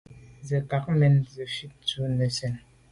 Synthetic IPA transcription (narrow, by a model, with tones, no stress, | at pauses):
zə˨ka˨k̚mɛ˨nzə˨fi˦t̚tu˦nə˨sɛ˨n